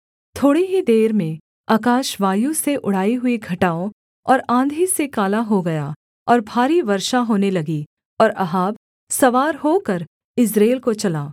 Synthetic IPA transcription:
t̪ʰoːɽiɦid̪eːɾmẽ | aːkaːʃʋaːjũseʔʊɽ̤aːiɦʊiɡʱɐʈaːõ | ɔːɾãːnd̪ʱisekaːlaɦoɡɐja | ɔːɾbʱaːɾiʋɐɾʃaɦoːnelɐɡi | ɔːɾɐɦaːb | sɐʋaːɾɦoːkɐɾ | ɪsɾeːlkot͡ʃɐlaː

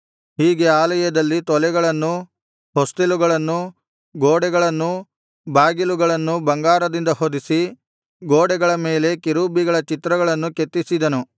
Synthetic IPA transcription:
hiːɡe̞aːlɐjɐd̪ɐlːit̪ɔlɛɡɐɭɐnːu | ɦost̪iluɡɐɭɐnːu | ɡoːɽɛɡɐɭɐnːu | baːɡiluɡɐɭɐnːubɐŋɡaːɾɐd̪ind̪ɐɦod̪isi | ɡoːɽɛɡɐɭɐme̞ːle̞kiɾuːbiɡɐɭɐt͡ʃit̪ɾɐɡɐɭɐnːuket̪ːisid̪ɐnu

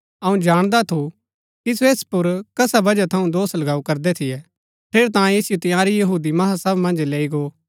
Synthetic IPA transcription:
ɐũd͡ʒaːɽ̃d̪at̪ʰu | kisoeːspʊɾkɐsabɐd͡ʒat̪ʰɐũd̪oːslɐɡaːukɐɾd̪ɛt̪ʰɪjɛ | pʰeːɾt̪ãːeːsɪjot̪ɪjaːɾijɐɦuːd̪imɐɦasɐbmɐ̃nd͡ʒleːiɡoː

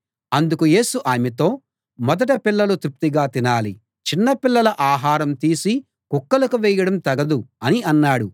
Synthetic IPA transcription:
ɐnd̪ukuje̞ːsuʔaːmit̪o̞ː | mɔd̪ɐʈ̬ɐpilːɐlut̪ɾup̚t̪iɡaːt̪inaːlḭ | t͡ʃinːɐpilːɐlɐʔaːɦaːɾɐmt̪iːsi | kukːɐlɐkuʋɛːjɐɽɐmt̪ɐɡɐd̪uɐniɐnːaːɽu

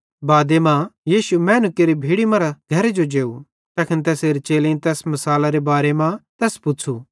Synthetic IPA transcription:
baːd̪emãjiːʃumɛ̃ːnʊkeɾibʱiːɽimãɾaɡʱɐɾed͡ʒod͡ʒeːu | t̪aːkɪnt̪̬ɛːseːɾet͡ʃeːlẽĩt̪ɛːsmɐsaːlaɾebaːɾemãt̪ɛːspʊt͡ʃʰu

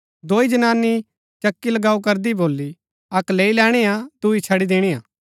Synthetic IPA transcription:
d̪oːid͡ʒɐnaːnːi | t͡ʃɐkːilɐɡaːuk̬ɐɾd̪iboːlːi | ɐkleːilɛːɽ̃eãd̪uit͡ʃʰɐɽid̪eːɽ̃iːãː

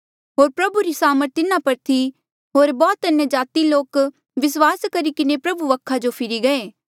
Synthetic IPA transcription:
ɦoːɾpɾɐbuɾisaːməɾt̪ɪnãpɐɾt̪ʰi | ɦoːɾbɔːt̪ɐnjəd͡ʒaːt̪iloːk | ʋɪs̬waːskɐɾikɪnepɾɐbuʋɐkʰːad͡ʒopʰɪɾiɡɐeː

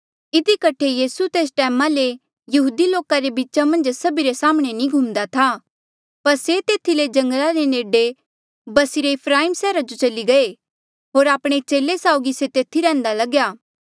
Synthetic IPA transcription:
ɪd̪ikɐʈʰːejiːsut̪eːs̬ʈɛːmale | jɐɦuːd̪iloːkaɾebiːt͡ʃamɐ̃nd͡ʒsɐbiɾesaːmɽ̃enĩɡʱumd̪at̪ʰa | pɐɾset̪eːt̪ʰiled͡ʒɐ̃ŋɡəlaɾeneːɖe | bɐsɪɾeɪpʰɾaːiːmsɛːɾad͡ʒot͡ʃɐliɡɐe | ɦoːɾaːpɽ̃et͡ʃeːlesaːʊɡiset̪eːt̪ʰiɾɛ̃ːnd̪alɐɡjaː

